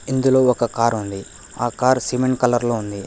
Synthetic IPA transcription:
ind̪ulo̞ːɔkɐkaːɾund̪i | aːkaːɾsiːmeɳʈkɐlɐɾloːund̪i

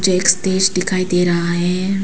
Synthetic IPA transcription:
d͡ʒeeːksʈeːd͡ʒɖɪkʰaːid̪eːɾɐɦaɦɛː

